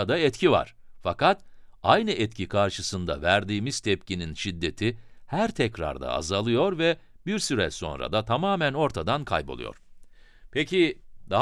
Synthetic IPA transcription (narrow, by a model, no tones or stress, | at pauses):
d̪aɛt̪cʰiva̰ɾ̥fakat̪ajnɯʔɛt̪cʰikʰaɾʃɯsɯnd̪a̰væɾd̪iːmiz̥t̪ʰɛpcininʃid̪ːe̞t̪ʰihæɾt̪ʰɛcɾa̰ɾd̪a̰a̰zalˠɯjo̞ɾvɛ | biɾsyɾɛ̰so̞̰nɾa̰d̪at̪ʰamaːmæno̞ɾt̪ʰad̪ankʰa̰jbolˠṵjo̞̰ɾ̥pʰecid̪a